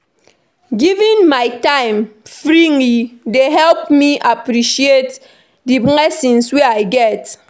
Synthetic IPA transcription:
ɡivĩnmaɪtãɪ̃mfɹiŋlideɦɛlp̚miʔapɾiʃiet | dibŋɛsĩnsweaɪɡɛt

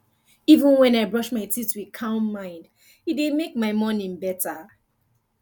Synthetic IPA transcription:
ivə̃nwɛ̃naɪbɹɔʃmaɪtʰitwi̥kʰãʊ̃nːãɪ̃nd | itdemek̚maɪmɔnĩnbɛtə

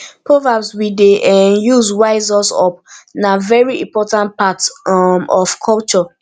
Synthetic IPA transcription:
pɹɔvabswideʔɛjuzwaɪzɔsɔ̰p̚navɛɹiĩmpɔtãnt̚patmɔfkʰɔlt͡ʃɔ

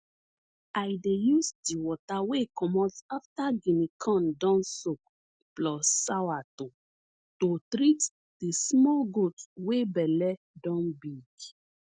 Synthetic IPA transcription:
ajdejusdiwɔtawekɔmɔtaftaɡĩnikʰɔ̃ndɔ̃nsok̚ | plɔsawato | totɾit | d̥ismɔlɡotwebɛlɛ | dɔ̃nbiɡ

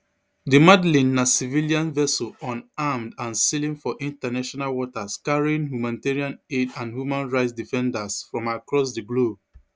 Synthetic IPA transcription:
dimadlĩnːasiviliãnvɛsoɔ̃namdãnsilĩŋfɔʔĩntanaʃɔnalwɔtaskaɹiɪ̃ŋɦjumãniteɹiãnedãnhjumãnɹaɪtsdifɛ̃ndasfɹɔ̃makɹɔs̬diɡlob̚

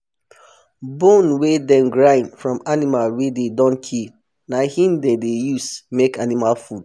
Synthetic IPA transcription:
bõnwedɛ̃nɡɹãɪ̃nfɹɔ̃manimalwededɔ̃nkʰil | nahĩndedejusmekanimalfud̥

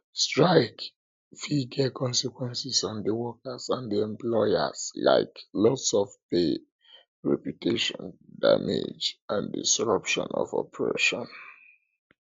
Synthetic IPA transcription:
stɹaɪk | fiɡɛkɔ̃nsikwɛ̃nsisãndəwɔkasãndiɛ̃mplɔjasla̰ɪklɔsɔfbe | ɹɛpjutʰeʃɔ̃nda̰mḛd͡ʒãndḭsɹʌpʃɔ̰̃nɔ̰vɔpɹḛʃɔ̃n

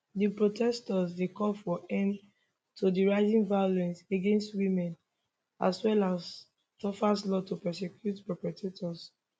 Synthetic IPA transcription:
dipɹotɛstɔsdekɔlfɔʔɛ̃m | tʰudiɹaɪzĩŋvajolɛ̃nseɡẽnstwimɛ̃n | a̰swɛlas | tɔfaslɔtupɛs̬ɛkʰjutpɹɔpɹɛtʰetʰɔs

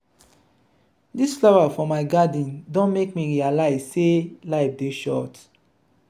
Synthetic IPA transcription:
disflɔvafɔ̃maɪɡadĩndõnmekmiɹialaɪzselaɪfdeʃɔt

